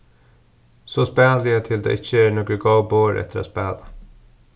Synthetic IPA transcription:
sospæːlɪət̪ʰɪld̪ḛːʔɪt͡ʃːəæːnɔːkəɡoʊboːɾʔɛ̰t̪əɾa̰ːspæːla

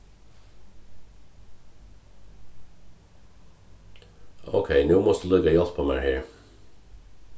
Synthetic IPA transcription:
o̰ʊkʰeɪnuːmɔst̪əlʏɡɑjɑlpʰoːmæ̰ːɹheːɹ

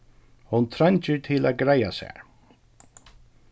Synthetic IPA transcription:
hʊnt̪ʰɾaɲt͡ʃəɹt̪ʰɪlæɡɾaja̰sɛ̰ːɹ

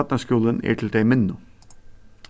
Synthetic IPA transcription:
t̪nəskuːlənḭːʈʰl̩d̪eɪmɪnːʊ

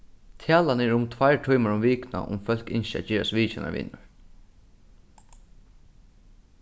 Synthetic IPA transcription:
t̪ʰjaːlanɛɾɹʊmt̪ʰvajɹʈʰɔjmaɹʊmʋiːkna̰ʔʊ̰mfœl̥kɪnʃa̰t͡ʃiːɹa̰st̪ʋiːt͡ʃɪna̰ʋɪ̰nʊɹ

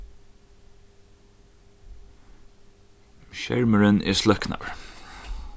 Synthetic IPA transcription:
ʃɛ̰ɹməɹənʔɛ̰slœkna̰ɹ

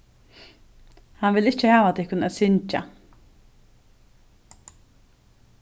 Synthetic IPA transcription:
hanʋɪlɪt͡ʃəhɛːʋat̪ʰɪhkʊnaːsɪɲt͡ʃa̰

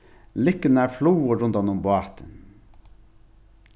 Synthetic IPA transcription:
lʏkənəæːfluːəɾʊnd̪ɑnʊmbʊɑːt̪ʰən

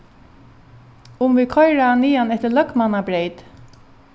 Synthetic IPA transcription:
ʊmvɪkʰɔjɹaaniːanɛht̪əlœkmanabɾejt̪

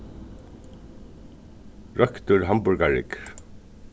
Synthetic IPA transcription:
ɹʔœkt̪ʊɹɦambʊɹɡaɹɪ̰k

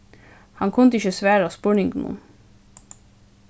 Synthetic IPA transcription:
hɑŋkʰʊnt̪əɪçəsʋæːɾɑspʊɳɪŋɡnṵːn

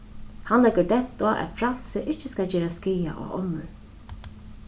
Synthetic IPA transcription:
hanlɛkəɹd̪ɛn̥t̪ɔʔɛ̰t̪fɾalsɪʔɪht͡ʃːɪskad͡ʑɛːɾaskiːja̰ʔɔ̰ɔ̰nːʊɹ

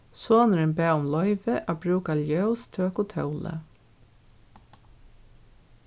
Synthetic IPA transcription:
soːnɾənbæːʊmlɔʏʋəʔabɾʉːkaljœʉst̪ʰøːkʊt̪ʰœʉlə̰

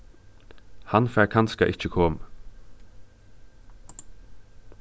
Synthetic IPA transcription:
hanfæɹkʰanskaʔɪht͡ʃəkʰoːmə

